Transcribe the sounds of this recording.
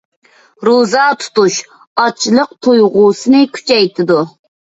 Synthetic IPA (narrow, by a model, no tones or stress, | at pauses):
ɾozɑt̪ʰu̥t̪uʃ | ɑt͡ʃʰːlˠəq̚t̪ʰojʁuːsɨnɨkʲʰy̥t͡ʃʰɛjt̪ʰɪd̪u